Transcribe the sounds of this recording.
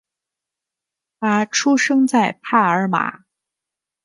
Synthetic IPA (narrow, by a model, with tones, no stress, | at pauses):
pa˧˥ʈ͡ʂʰu˥ʂɤ˥ŋt͡sa˥˩ɪpʰa˥˩ə˞˧˥ma̰˨˩˦